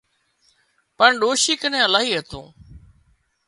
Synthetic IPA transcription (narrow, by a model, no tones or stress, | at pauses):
pəɳɗoːʃiːkənẽːəlaːɦiːɦeːt̪ṵ̃ː